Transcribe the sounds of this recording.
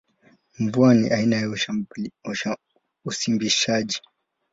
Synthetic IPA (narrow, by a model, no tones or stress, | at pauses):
ɱvuanḭʔainaja | usimbiʃaʄi